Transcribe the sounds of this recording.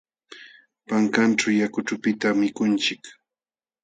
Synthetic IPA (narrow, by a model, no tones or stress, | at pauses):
paŋkanʈ͡ʂawjakʊʈ͡ʂʊpɪt̪amɪkʊnt͡ʃɪk